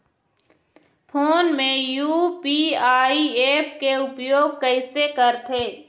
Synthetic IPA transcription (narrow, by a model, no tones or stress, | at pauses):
pʰoːnmẽjuːpiaːieːpkeʊpjoːɡ̚kəɪsekəɾt̪ʰeː